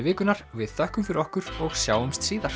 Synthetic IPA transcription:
vɪːkʏnaɾ̥vɪðθœhkʏmfɪɾɪɾɔhkʏɾɔɣsjaːwʏmst̪siːðaɾ̥

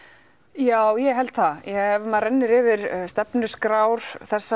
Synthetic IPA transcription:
jaːwjɛɦɛlt̪θajɛɛvmɛðrɛnːɪɾɪvɪɾst̪ɛpnʏskɾawɾ̥θɛsːa

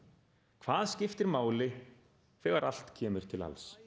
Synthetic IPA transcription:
kʰv̥aːðscɪft̪ɪɾmaːwlɪ | fɛːɣaɾa̰l̥t̪cʰɛːmʏɾ̥t̪ʰɪla̰ls

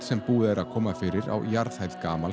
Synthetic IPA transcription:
sɛmpuːðɛɾʔaðkʰɔːmafɪːɾɪɾa̰wjaɾð̥hajðkaːmal

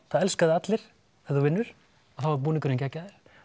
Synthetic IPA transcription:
θaðɛlskaðɪat̪lɪɾ̥ | ɛðuvɪnːʏɾ̥ | aθawvaɾp̬uːnɪŋkʏɾɪncacːaðɪɾ̥

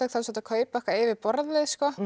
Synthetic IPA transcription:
ɛkθaðsɔːt̪akʰœːɥpaɛhkvaɾɛːvɪɾpɔɾðlɪðskɔ

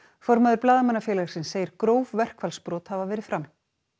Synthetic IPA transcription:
fɔɾmaðʏɾplaːðamanːafjɛːlɛɣɾsɪnsːeːjɪɾkɾoːwvvɛr̥kvalspɾɔːt̪havavɛːɾɪ̥fɾam

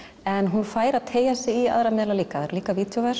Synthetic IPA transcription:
ɛnɦunfaːjɾaðt̪ʰeːjasɪia̰ðɾamɪːðɪlaliːkaðɾaliːkaviːt̪ʰjovaɾ

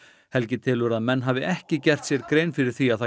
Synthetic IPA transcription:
hɛlcɪt̪ʰɪlʏɾaðmɛnːɦaːvɪʔɛhcɪcɛr̥t̪sjɛɾkɾejnfɪɾɪɾ̥θiaðθa

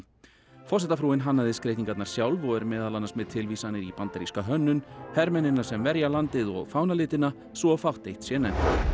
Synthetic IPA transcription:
fɔrsɛht̪afɾuːɪnɦanːaðɪskɾejt̪iŋkat̪naɾ̥sjawlvɔɛɾmɛːðalanasmɛðt̪ʰɪlvisanːɪɾipant̪aɾiskaɦœnːʏnhɛɾmɛnɪnːḁsɛmvɛɾjalant̪ɪðɔ̰ɣfaːwnalɪːt̪ɪna | svɔfawht̪ejht̪sjɛnɛm

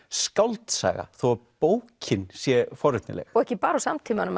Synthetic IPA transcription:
skawlt̪sa̰ːɣa̰θoapoːwcʰɪnsjɛfɔɾʏt̪nɪ̰lɛ̰xɔɣɛhcɪpaːɾasamt̪ʰiːmɪanʏm

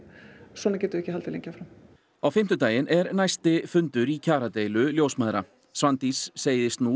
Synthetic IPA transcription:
sɔnacɛːt̪ʏɾɛhcɪhalt̪ɪlḛɲcafɾam | awfɪm̥t̪ʏt̪aːjɪnʔɛɾnajst̪ɪfʏnt̪ʏɾicʰaːɾat̪eːjlʏljoːwsmaːðɾa̰ | svant̪isːeːjðɪst̪nu

